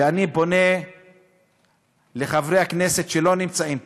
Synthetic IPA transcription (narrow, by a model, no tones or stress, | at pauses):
eanibo̞ne̞ | le̞χavʁejhakneset̪ʃelo̞nimt͡saim